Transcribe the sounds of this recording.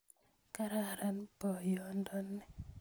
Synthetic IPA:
ka˦ɾa˦˨ɾanpɔ˨jɔ˦ndɔ˦nːɛ˨

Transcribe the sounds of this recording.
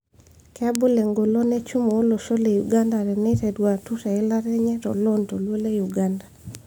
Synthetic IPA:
kɛ˦bʊ˦le˨ŋɡo˨lo˦nɛ˦t͡ʃu˦mo˨o˦lo˨ʃo˦le˨ju˨ɡa˦nda˨ɾɛ˨nɛ˦tɛ˨dwa˨tu˦ta˨ɪ˦la˦ɾɛ˦ɲɛ˦tɔ̰˨lɔ˦nto˨lwo˦le˦ju˨ɡa˦nda˨

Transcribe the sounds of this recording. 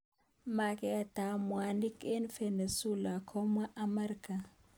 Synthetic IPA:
ma˨kʼɛ˦a˨ta˨mwa˨ni˦ke˦nfe˨ne˨su˦la˨kʰɔ˦mwa˦ʔa˦mɛ˦ɾika˨

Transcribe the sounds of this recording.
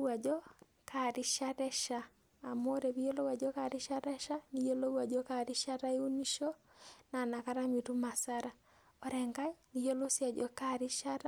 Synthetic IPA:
wa˨d͡ʒɔ˦ | kʰa˦ɾɪ˦ʃa˦ɾɛ˦ʃaː˦˨ | mo˦ɾe˨βi˦jo˦lo˦wa˨d͡ʒɔ˦ka˨ɾɪ˦ʃa˦ɾɛ˦ʃa˦ni˦jo˦lo˦wa˨d͡ʒɔ˦ka˦˨ɾɪ˦ʃa˦ɾa˦ju˦ni˦ʃo˦ | na˨na˨ka˦ɾa˦mi˨tu˦ma˨sa˦ɾa˨ | ɔ˨ɾɛ˨ŋɡa˦jni˨jo˦lo˦sja˨d͡ʒɔ˦ka˦ɾɪ˦ʃa˦ɾa˦

